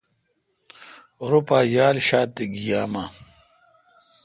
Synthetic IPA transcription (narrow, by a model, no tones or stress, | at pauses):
ɾupaːjaːlɕaːt̪eɡijaːma